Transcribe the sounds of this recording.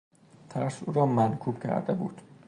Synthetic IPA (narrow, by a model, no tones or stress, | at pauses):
t̪ʰæɾsuːɾɒːmænkʰuːb̥cʰæ̰ɾd̪ebṵːd̪̥